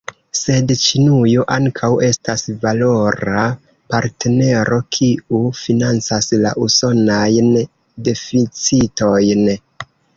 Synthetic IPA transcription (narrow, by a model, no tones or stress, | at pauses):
se̞dt͡ʃinujoʔaŋkʰawe̞stasvalo̞ɾa | paɾte̞ne̞ɾo̞kʰiufinant͡sasla̰ʔuso̞najn | de̞fit͡sito̞jn